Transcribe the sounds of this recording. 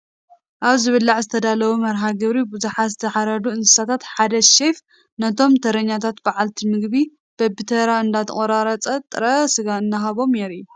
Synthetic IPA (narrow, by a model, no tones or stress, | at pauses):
ʔaβzɨβɨlːaʕzɨt̪ʰɐd̪alɐwumɐɾɦaɡɨβɾibuzuħazɨt̪ʰɐħaɾɐd̪uɨnsɨ̥sat̪ʰat̪ħad̪ɐʃef | nɐt̪ʰo̞mt̪ʰɐɾɐɲːat̪ʰat̪baʕalt̪ʰimɨɡβi | b̥ɐbɨt̪ʰɐɾaɨnd̪at̪ʰɐχʼɐɾaɾɐt͡sʼɐt̪ʼɨɾɐsɨɡaɨnːaɦaβo̞mjeɾiːu